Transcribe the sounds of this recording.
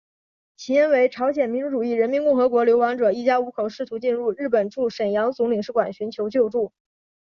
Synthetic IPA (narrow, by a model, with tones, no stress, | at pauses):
t͡ɕʰi˧˥jɛ˥nwe˧˥ɪʈ͡ʂʰɑ˧˥ʊɕjɛ˨˩nmi˧˥nʈ͡ʂu˧˥ʈ͡ʂu˨˩i˥˩ɻə˧˥nmi˧˥nkʊ˥˩ŋxɤ˧˥kwɔ˧˥ljo˧˥ʊɑ˧˥ŋʈ͡ʂɤ˨˩i˥˩t͡ɕja˥u˧˥kʰo˨˩ʊʂɻ̩˥˩t̪ʰu˧˥t͡ɕi˥˧nɻu˥˧ɻɻ̩˥˩pə˨˩nʈ͡ʂu˥˩ʂə˨˩njɑ˧˥ŋt͡sʊ˧˥ŋli˨˩ŋʂɻ̩˥˩kwa˨˩nɕy˧˥nt͡ɕʰjo˧˥ʊt͡ɕjo˥˧ʊʈ͡ʂu˥˩